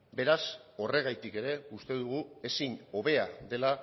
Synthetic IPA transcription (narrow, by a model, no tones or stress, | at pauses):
be̞ɾaso̞re̞ɣ̞ajt̪ike̞ɾe̞ust̪e̞ðuɣ̞ue̞siɲo̞βe̞aðe̞la